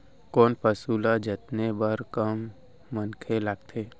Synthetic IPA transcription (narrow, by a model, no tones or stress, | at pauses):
kɔːnpəsuːlad͡ʒət̪nebəɾkəmː | ənkʰelaɡ̚t̪ʰeː